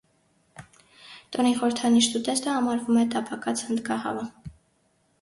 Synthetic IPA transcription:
t̪ɔniχɔɾəɾt̪ʰɑniʃt̪ut̪ɛst̪əhɑmɑɾvumɛt̪ɑpɑkɑt͡sʰhənd̪ɡɑhɑ̰və

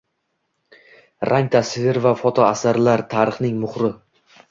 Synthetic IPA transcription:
ɾʔaŋt̪ʰasɪvɪɾvafɒt̪ʰɒasaɾlaɾt̪ʰaɾɨχnɪŋmʊχɾɪ

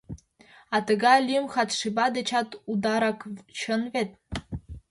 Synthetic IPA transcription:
ɑt̪ɤ̆ɡɑlʲimxɑt̪ʂibɑd̪et͡ɕɑt̪ud̪ɑɾɑkt͡ɕɤ̆nvet̪̚

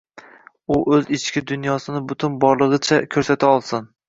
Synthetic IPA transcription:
ʊʔɵzɪt͡ʃkʲɪd̪ʊnjɒsɪnɪbʊt̪ʰʊnbɒɾlˠɨʁɨt͡ʃʰakʲʰɵɾsat̪ʰaɒlˠsɪn

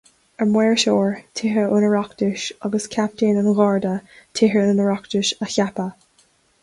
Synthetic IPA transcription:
əmwɛːɹʃɔːɹtʰɪɦəʔʊnəɹɑktɪʃʌɡəskʰap̚tʰeːnənɣɑɹdətʰɪɦəʊnəɹɑkt̪ɪʃəçapə

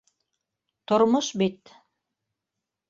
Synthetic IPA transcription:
t̪ŏɾmoʃbit̪

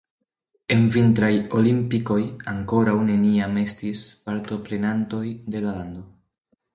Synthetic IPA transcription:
e̞nvintɾajo̞limpiko̞jaŋko̞ɾawne̞niame̞stispaɾto̞pɾe̞nanto̞jde̞lalando̞

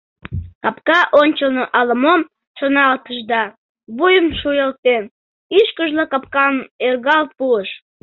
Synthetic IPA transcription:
kɑpkɑʔonʲt͡ɕəlnoʔɑləmom | ʃonɑlt̪əʃd̪ɑ | βujəmʃujəlt̪en | iʃkəʒlokɑp̚kɑnerɣɑl̚puəʃ

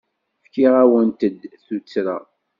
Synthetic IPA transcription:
fkiʁæwənt̪əd̪θut͡sːɾa̰

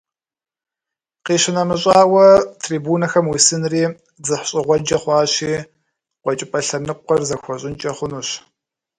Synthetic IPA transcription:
qiːɕɪnɐmɨɕʼɑːwɐtʰriːbuːnɐxɐmwisɨnriː | zɨħɕʼɪʁʷɔd͡ʒɐχʷɑːɕiː | qʷɔt͡ʃʼɪpʼɐɬɐnɨqʷːɔrzɐxʷɔɕʼɪnt͡ʃʼɐχʷʊnuːɕ

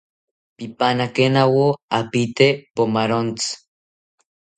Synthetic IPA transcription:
pipanakenawoapit̪epomaɾont͡s

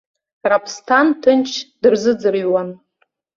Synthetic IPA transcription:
rapʰstʰantʰɨnt͡ʃʰd̥ɨrzɨd͡zɨrɥwan

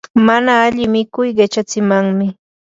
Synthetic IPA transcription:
manaːʎɪmɪkʊjɢet͡ʃat͡sɪmaŋmɪ

